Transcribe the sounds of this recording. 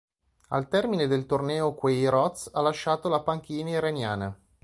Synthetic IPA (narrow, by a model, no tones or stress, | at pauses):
a̰lt̪ɛrmined̪elt̪ornɛːokwejɾɔt̪salaʃːaːt̪olapaŋk̟iːnaiɾenjaːna